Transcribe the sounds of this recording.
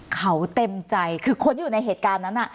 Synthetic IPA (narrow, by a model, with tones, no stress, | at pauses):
kʰa˦˥wt̪e˧mt͡ɕa˧jkʰɯː˧kʰo˧njuː˨˩na˧jɦeː˨˩t̪̚kaː˧nːa˦˥nːʔa˨˩